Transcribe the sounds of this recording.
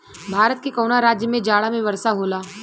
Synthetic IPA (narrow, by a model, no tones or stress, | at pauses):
bʱaːɾət̪̚kekɔːnaɾaːd͡ʒjəmẽd͡ʒaːɽamẽʋɐɾsaɦoːlaː